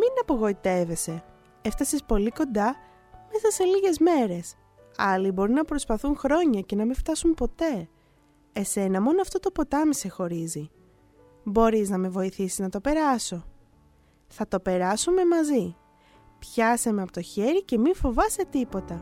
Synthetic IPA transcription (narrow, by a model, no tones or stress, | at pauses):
minɐpo̞ɣo̞it̪e̞ve̞se̞ | eft̪ɐsispo̞liko̞nd̪ɐ | me̞sɐse̞liʝe̞zme̞ɾe̞s | ɐlibo̞ɾinɐpɾo̞spɐθunxɾo̞ɲɐce̞nɐmift̪ɐsumpo̞t̪e̞ | ese̞nɐmo̞noɐft̪o̞t̪o̞po̞t̪ɐmisexo̞ɾizi | bo̞ɾiznɐme̞vo̞iθisiznɐt̪o̞pe̞ɾɐso̞ | θɐt̪o̞pe̞ɾɐsume̞mɐzi | pçɐsɐmeɐpo̞t̪o̞çe̞ɾice̞miɱfo̞vɐse̞t̪ipo̞t̪ɐ